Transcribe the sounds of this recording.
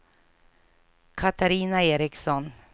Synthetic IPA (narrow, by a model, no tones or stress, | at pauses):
kʰat̪aɾiːnaeːɾɪksɔn